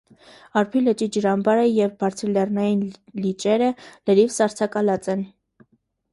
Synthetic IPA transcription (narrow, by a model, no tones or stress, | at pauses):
ɑɾpʰylət͡ʃid͡ʒəɾɑmbɑɾəjɛvbɑɾt͡sʰəɾlɛrnɑjinlit͡ʃɛɾələɾivsɑɾt͡sʰɑkɑlɑt͡sɛn